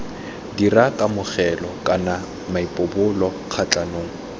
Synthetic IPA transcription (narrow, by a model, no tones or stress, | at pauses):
dirakʼamʊχɛlɔkʼana | maipʼʊbʊlɔ | q͡χʰat͡ɬʼanoːŋ̩